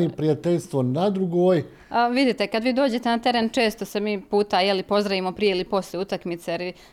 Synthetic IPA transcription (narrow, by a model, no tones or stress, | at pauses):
ipɾijat̪eʎst̪ʋonad̪ɾuɡoːj | ʋid̪it̪e̞kad̪ʋiːd̪o̞ːd͡ʑe̞t̪e̞nat̪e̞ɾe̞ːnt͡ʃe̞ːst̪o̞se̞miːpuːt̪ajelipo̞zɾaʋimo̞pɾije̞ilipo̞slʲjeut̪akmit̪seɾi